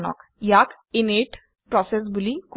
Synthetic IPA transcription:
nɔ̰kjak | ineʈ | pɾɔsesbulik

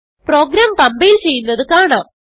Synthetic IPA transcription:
pro̞ːɡɾaːmkɐmbɐjilt͡ɕe̞jːunːɐðɨkaːɳam

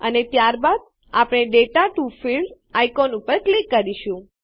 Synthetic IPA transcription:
ənet̪jaɾbad̪̚ | a̰pɽ̃eɖeʈaʈufilɖ | ajkonupəɾklikːəɾiʃũ

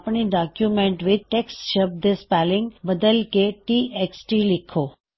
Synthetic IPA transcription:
pɳiɖakjumẽɳʈʋɪd̪̚ʈeksʈʃəb̚d̪espælɪ̃ŋɡbəd̪əlkeʈiːʔeksʈilɪkʰoː

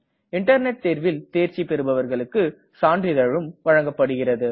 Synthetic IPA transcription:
ɪɳʈɐɾnɛʈ̚t̪eːɾʋɪlt̪eːɾt͡ʃipːɛɾɯbɐʋɐɾɣɐɭɯkːɯ | saːɳɖrɪðɐɻɯmʋɐɻɐŋɡɐpːɐɽɯɣɪrɐðɯ

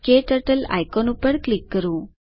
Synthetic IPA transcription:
keʈəʈəla̰jkɔnupəɽklikːəɾũː

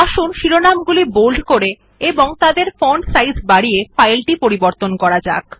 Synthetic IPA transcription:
aʃunʃiɾonamɡulibolɖkoɾe | eboŋt̪ad̪eɾfonsajsbaɽiefajlʈipoɾiboɾt̪onkɔɾad͡ʑa̰k

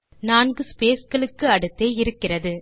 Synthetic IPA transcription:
naːnɡɯspeːsɡɐɭɯkːɯɐɽɯt̪ːeːɪɾɯkːɪrɐðɯ

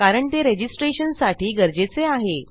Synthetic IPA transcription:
kaɾəɳt̪eɾed͡ʑisʈɾeɕənsaʈiːɡəɾd͡ʑet͡seaɦe

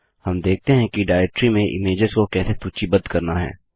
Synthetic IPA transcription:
hɐmd̪eːk̚t̪eɦɛ̃kiɖaːɛk̚ʈɾimẽʔɪ̰meːd͡ʒəzkokɛːset̪uːt͡ʃibɐd̪kɐɾnaɦɛ̰ː

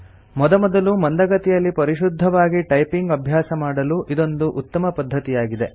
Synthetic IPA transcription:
mɔd̪ɐmɔd̪ɐlumɐnd̪ɐɡɐt̪ijɐlːipɐɾiʃud̪ʱːɐʋaːɡiʈɐjpiŋɡɐbʱjaːsɐmaːɽɐluʔid̪o̞nd̪uʔut̪ːɐmɐpɐd̪ʱːɐt̪ijaːɡid̪e̞

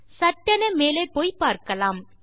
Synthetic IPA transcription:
sɐʈːɐnɐmeːleːpoːjpaːɾkɐlaːm

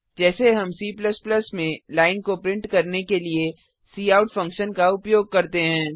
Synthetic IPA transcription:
d͡ʒɛːseɦɐmsiːpləsplɐsmẽlaːɪnkopɾɪ̃ɳʈkɐɾnekelie | siːaːʊʈfɐ̃ŋkʃənkaʊpjoːɡ̚kɐɾt̪eɦɛ̃ː

